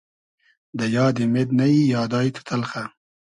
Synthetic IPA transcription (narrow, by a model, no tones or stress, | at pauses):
d̪əjɑːd̪imed̪nɐijɑːd̪ɑːjt̪ʰu̥t̪ʰɐlχa